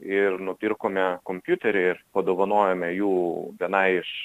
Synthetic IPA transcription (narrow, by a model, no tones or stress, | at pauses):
ɪrnʊpʲɪrkoːmʲɛkoːmʲpʲjuːt̪ʲɛɾʲɛɪrpɐd̪oːʋɐnoːjomʲɛjuːʋʲiɛnɐɪɪʃ